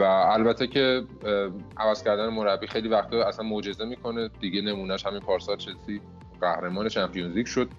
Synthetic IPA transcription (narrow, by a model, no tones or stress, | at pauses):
væːlbæt̪ʰːecʰe̞ | ʔævæz̥cʰæɾd̪ænemoɾæbːiːxejlivæxt̪ʰɒæsænmod͡ʒe̞ze̞miːkʰo̞ne̞d̪̥iɟe̞ne̞muːnæʃhæminpʰɒːɾsɒːɾʃʰesi | ɢæhɾe̞mɒːneʃæmpʰijunzicʃo̞d̪̚